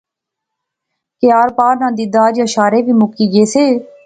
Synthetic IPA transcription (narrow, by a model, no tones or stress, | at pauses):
kɪjaːɾpaːɾnãːd̪iːd̪aːd͡ʒəʃaːɾeːʋiːmʊkiːɡeːseː